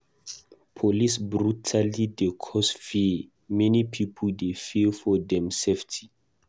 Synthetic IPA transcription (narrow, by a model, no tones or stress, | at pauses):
pʰolisbɹutʰalidekʰɔsfi | mɛnipʰipʰɔldefifɔdɛ̃mseftʰi̥